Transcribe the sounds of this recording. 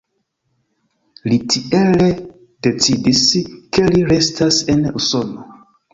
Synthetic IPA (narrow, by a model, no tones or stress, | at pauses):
litʰiele | d̥e̞t͡sidiske̞liɾe̞stase̞nṵso̞no